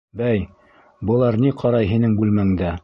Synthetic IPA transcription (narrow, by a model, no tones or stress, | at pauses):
bæj | bɤ̆lˠɑɾniqʰɑɾɑjɦinɘŋbʉlmæŋd̪æ